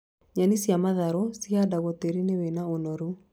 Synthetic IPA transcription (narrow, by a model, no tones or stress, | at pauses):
ɲanisjamaðaɾɔsiadaɣɔteɾinewenaonɔɾu